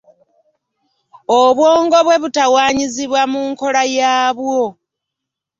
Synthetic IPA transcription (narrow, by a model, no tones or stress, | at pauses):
oβwo̞ːŋɡo̞βwe̞βutawaːɲiziβwamuŋko̞lajaːβwo̞